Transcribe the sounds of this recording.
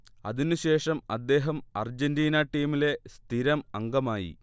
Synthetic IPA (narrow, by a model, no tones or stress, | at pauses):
ɐ̰ðinɨɕe̞ːʂɐmɐd̪ːe̞ːɦɐmɐrd͡ʑendiːnɐʈːiːmile̞st̪ʰiɾɐmɐŋɡɐmaːjḭ